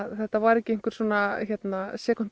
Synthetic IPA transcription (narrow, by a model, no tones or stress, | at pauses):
θɛht̪ːavaɾɛcːɪeŋkʏɾ̥suːnaçɛt̪nasjɛːkʏn̥t̪